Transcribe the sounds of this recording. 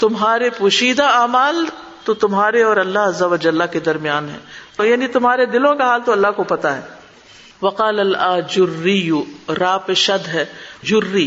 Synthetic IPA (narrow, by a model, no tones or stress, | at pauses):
t̪ʊmɦaːɾepuːʃiːd̪aaːmaːl | t̪ot̪ʊmɦaːɾeɔːɾɐlːaɦɐzːɐʋɐd͡ʒɐlːaked̪ɐɾmijaːnɦɛ̰̃ːjaːnit̪ʊmɦaːɾed̪ɪlõkaɦaːlt̪oɐlːaɦkopɐt̪aɦɛː | ʋɐqaːlɐlaːd͡ʒʊɾːijuɾaːpɪʃɐd̪ɦɛːd͡ʒʊrːiː